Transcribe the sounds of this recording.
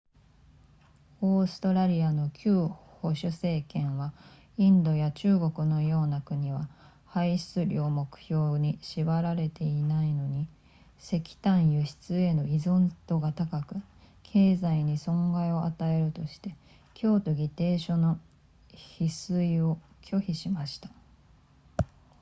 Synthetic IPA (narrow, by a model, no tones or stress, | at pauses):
oːsɨ̥t̪o̞ɾaɾʲiano̞kʲʰɨːho̞ɕɨse̞ːkẽ̞ɰ̃βa | ĩnd̪o̞jat͡ɕɨːɡo̞kɯ̟no̞jo̞ːnakɯ̟ɲ̟iβa | haiɕi̥t͡sɨɾʲoːmo̞kɯ̟̥ço̞ːɲ̟iɕibaɾaɾe̞t̪e̞inaino̞ɲ̟i | se̞kʲi̥t̪ãɰ̃jɯɕi̥t͡sɨe̞no̞izõnt̪o̞ɡat̪akakɯ̟ | kʰe̞ːzaiɲ̟isõ̞ŋɡaio̞ʔat̪ae̞ɾɯ̟t̪o̞ɕi̥t̪e̞ | kʲo̞ːt̪o̞ɡʲit̪e̞ːɕo̞no̞ | çisɨio̞ | kʰʲo̞çiɕimaɕi̥t̪ḁ